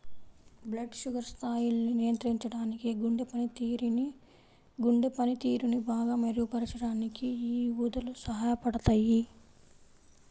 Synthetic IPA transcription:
blɐɖʃuɡɐɾst̪ʰaːjilɐninijɐnt̪ɾiɲt͡ʃɐɽaːnikiɡuɳɖepɐnit̪iːɾn | ɡuɳɖepɐnit̪iːɾunibaːɡaːmɐɾijupɐɾɐt͡ʃɐɽaːnikiiːuːd̪ɐlusɐɦaːjɐpɐɽɐt̪aːji

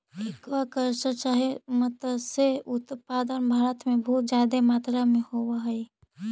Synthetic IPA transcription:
ekʋakəɾsət͡ʃaɦimət̪seʊt̪paːd̪ənbʱaːɾət̪mẽbɔɦut̪̚d͡ʒjaːd̪emaːt̪ɾamẽhowaɦəi

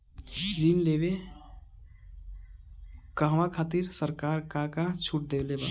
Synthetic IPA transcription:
dinlebe | kəɦʋãkʰat̪iɾsəɾkaɾkakat͡ʃʰuʈ̚d̪elebə̰

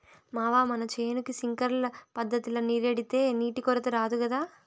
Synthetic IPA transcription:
maːʋaːmɐnɐt͡ʃeːnukisiŋkɐɾlɐpɐd̪ʱːɐt̪ilɐniɾeɽit̪e̞ːniːʈikɔɾɐt̪eɾaːd̪ukɐd̪aː

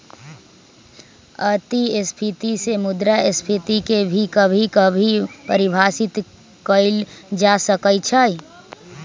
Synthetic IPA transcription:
ət̪iɪspʰit̪isemʊd̪ɾaɪspʰit̪ikebʱikəbʱikəbʱipəɾɪbʱasɪt̪ | kəɪld͡ʒasəkəjt͡ʃʰəj

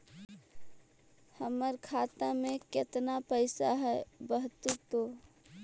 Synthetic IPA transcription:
həməɾkʰat̪amẽket̪napəɪsaɦɛbəɦt̪ut̪o

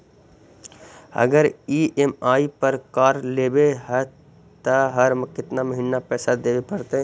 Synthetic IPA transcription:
ɐ̰ɡəɾiːʔemaːipəɾkaːɾleːbeɦɛ | t̪əɦəɾməkɪt̪naməɦɪ̃nːapɛːsad̪eːbepɐɾt̪eɦɛ̃

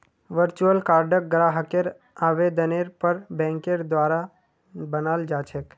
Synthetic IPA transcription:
ʋəɾt͡ʃuəlkaːɾɖək̚ɡɾaɦəkeɾ | aːʋed̪əneɾpəɾbɛ̃ŋkeɾd̪ʋaːɾa | bənaːld͡ʒaːt͡ʃʰek

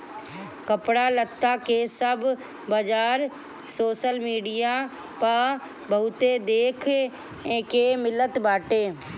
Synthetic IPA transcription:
kəpɽaːlət̪ːaːkesəb | bəd͡ʒaːɾ | soːʃəlmiːɖijaː | pa | bəʊt̪eːd̪eːkʰ | ẽkeːmɪlːət̪baːʈeː

